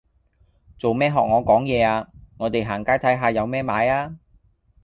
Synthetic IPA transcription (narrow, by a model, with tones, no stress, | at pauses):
t͡so˨wmɛː˥ɦɔː˨k̚ŋɔː˨˧kɔː˨˥ŋjɛː˨˧aː˧ŋɔː˨˧t̪e˨jɦaː˨˩ŋkaː˥jt̪ʰɐ˨˥jɦaː˧jɐ˨˧wmɛː˥maː˨˧jaː˥